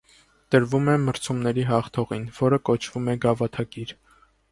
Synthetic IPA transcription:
t̪əɾvumɛməɾt͡sʰumnɛɾiɦɑχt̪ʰɔʁinvɔɾəkɔt͡ʃʰv̥umɛɡɑvɑt̪ʰɑkiɾ

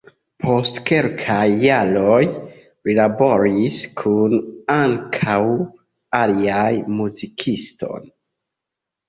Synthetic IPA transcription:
pʰo̞stke̞lkʰajːaloj | ɾilabo̞ɾiskʰunaŋkʰaw | aliajmuzikʰisto̞̰n

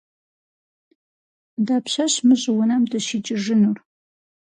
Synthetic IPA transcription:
daːpɕɐɕmɨɕʼɪwʊnɐmdɐʃit͡ʃʼɪʐɪnur

